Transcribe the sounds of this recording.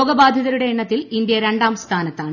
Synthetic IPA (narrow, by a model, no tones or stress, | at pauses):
oɡɐbaːd̪ʱjɐðɐɾuɽe̞ːɳːɐt̪ːilind̪jɐɾe̞ɳɖaːmst̪ʰaːnɐt̪ːaːɳ